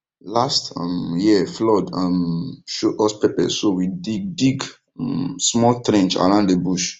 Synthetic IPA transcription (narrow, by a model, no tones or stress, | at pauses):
lastã̰mjiflɔdãmʃoʔɔspepɛ̰sowidiɡ̚diɡ | msmɔltɹɛ̃nt͡ʃa̰ɹãʊ̃ndebuʃ